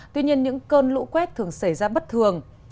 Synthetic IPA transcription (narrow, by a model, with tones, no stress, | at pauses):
t̪wi˧ɲi˧ənɲɨ̰˧˥ŋkəː˧nlṵ˧˥kwɛ˦˥t̚t̪ʰɨ˨˩əŋsa˧˩jzaː˧ɓə˦˥t̚t̪ʰɨ˨˩əŋ